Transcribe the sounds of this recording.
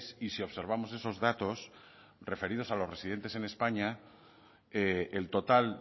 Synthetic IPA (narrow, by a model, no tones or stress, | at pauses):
sisio̞βse̞ɾβ̞amo̞se̞so̞zðat̪o̞s | re̞fe̞ɾið̞o̞salo̞zre̞sið̞e̞nt̪e̞se̞ne̞spaɲa | eelt̪o̞t̪al